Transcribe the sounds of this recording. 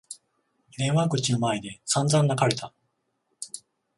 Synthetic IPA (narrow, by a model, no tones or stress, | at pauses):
nẽ̞ɰ̃wakɯ̟t͡ɕino̞maed̪e̞sãnzãnːakaɾe̞t̪a